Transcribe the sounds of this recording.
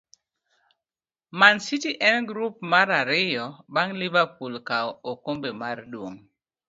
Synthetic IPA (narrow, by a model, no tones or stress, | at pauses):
mansitiʔɛnɡɾup̚maɾaɾɪjɔbaŋlɪvapulkaokombemardwoŋ